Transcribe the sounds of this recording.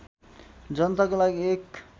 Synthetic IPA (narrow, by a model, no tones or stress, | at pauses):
d͡zʌnt̪akolaɡiek